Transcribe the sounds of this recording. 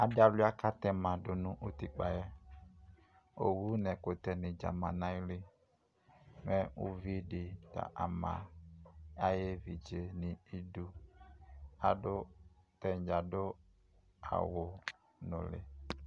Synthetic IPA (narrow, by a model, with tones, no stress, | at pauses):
a˨ɖa˦lu˦a˦ka˦t̪ɛ˦mã˨ɖo˨nũ˦ʔo˦t̪i˦k͡pa˨jɛ˦ | o̰˨wu˦nɛ̃˨ko˨t̪ɛ˦nĩ˨d͡ʒa̰˨mã˨nã˦jli˦ | mɛ̃˦wu˦vi˦ɖi˨t̪a̰˨ʔa˨mã̰˨ | a˦je˦vi˨d͡ʒe˦nĩ˨i˦du˦ | a˨ɖo˦t̪ɛ˨d͡ʒa˨ɖo˦ | a̰˨wo˨ | nõ̰˨lḛ˨